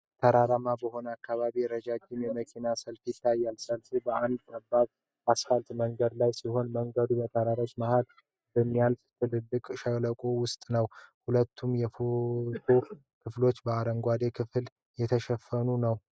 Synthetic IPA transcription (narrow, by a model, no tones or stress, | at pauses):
t̪ʰəɾaɾamabəho̞nəakːaβaβijɛɾəd͡ʒad͡ʒɪmjɛməkʰinasəlfjɪt̪ʰːajːalsəlfibəand̪kabːaβ | asfalt̪məŋɡəd̪lajsiho̞nməŋɡəd̪ubət̪ʰəɾaɾəd͡ʒʼmahal | bəmːijalft̪ʰɨlɨlːɨkʼʃələkʼowʊst̪ʼnəwhulət̪ʰːumjɛfot̪ʰo | kʰɨflo̞t͡ʃːbəaɾəŋɡʷad̪e̞kʰɨfl | jɛt̪ʰəʃɛfːənunəw